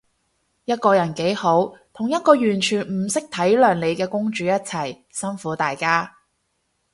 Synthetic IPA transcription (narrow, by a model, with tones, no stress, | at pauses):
jɐ˥t̚kɔː˧jɐ˨˩nke˨˥jho˨˥wt̪ʰʊ˨˩ŋjɐ˥t̚kɔː˧jyː˨˩nt͡ʃʰyː˨˩nm̩˨˩sɪ˥k̚t̪ʰɐ˨˥jlœː˨ŋle˨˧jkɛː˧kʊ˥ŋt͡ʃyː˨˥jɐ˥t̚t͡sʰɐ˨˩j | sɐ˥nfuː˨˥t̪aː˨jkaː˥